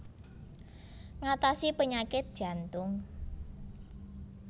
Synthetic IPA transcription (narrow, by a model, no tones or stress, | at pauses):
ŋat̪asipəɲakɪt̪̚d̥ʒ̥a̤nt̪ʊŋ